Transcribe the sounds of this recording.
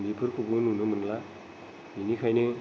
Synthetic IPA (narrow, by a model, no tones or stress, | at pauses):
ndipʰɯɾkʰubɯnunɯmɯnla | ninikʰajnɯ